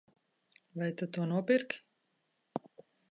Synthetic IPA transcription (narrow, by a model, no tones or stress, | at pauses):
vajt̪ut̪uɔnuɔpiɾkʲ